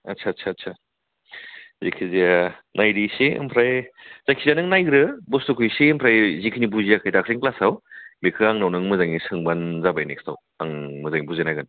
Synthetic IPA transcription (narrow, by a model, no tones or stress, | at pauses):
ɐ̰tsʰatsʰaːtsʰa | zḭkʰizianʔajɾisiɯ̰mpʰɾajzakʰizanɯŋnajɡɾɯbustokʰujsiːmpʰɾajzikʰinibuziakʰajtakʰɾiŋklasawbekʰɯaŋnawnɯŋmɯzaŋisɯŋbanzabajnekstʰaw | aŋmɯzaŋibuzenajɡɯn